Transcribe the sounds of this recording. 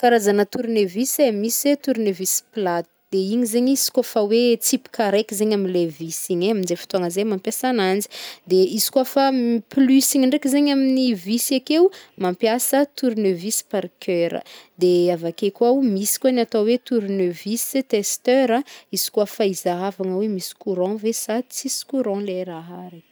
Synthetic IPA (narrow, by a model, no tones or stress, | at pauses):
kaɾazanət̪uɾunevisemiset̪uɾinevisi̥plat̪i̥d̪̥eiɲizeɲiz̥i̥kafawet͡sipi̥kaɾekizeɲaminlevisiɲeamind͡ʒefi̥t̪uaŋəzemampjasanand͡zi̥d̪eizi̥kuafamiplysiɲiɳɖ͡ʐekizeɲaminivisiakeumampjasət̪uɾunøvisi̥paɾkʰøɾə̰d̪eavakekuaumisi̥kʲanat̪awet̪uɾunøvisit̪est̪øɾaiz̥i̥kuafaizaɦavaŋəwemisi̥kuɾɔ̃vesat͡sisi̥kuɾɔ̃leɾaɦaɾi